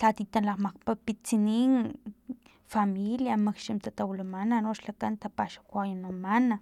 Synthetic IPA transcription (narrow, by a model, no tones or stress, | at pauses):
t͡ɬat̪it̪anlaqmaqpapit͡sinin | familjamakʃimt̪at̪awlamananoʃlakant̪apaʃḁkʷajanamana